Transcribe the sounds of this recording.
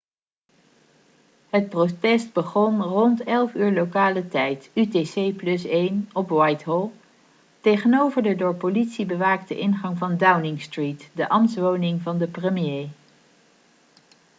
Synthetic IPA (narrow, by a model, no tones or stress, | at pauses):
ɦət̚protɛsd̚bəχɔnrɔntɛlˠfyːɹlowkaːlətɛjtytesejplɵsejnɔpwɑjtɦɔlˠ | tejχənowvəɹdədʊːɹpolitsibəʋaːktəʔɪnχɑŋvɑndawnɪŋstritdəʔɑmtsʋownɪŋvɑndəprəmjej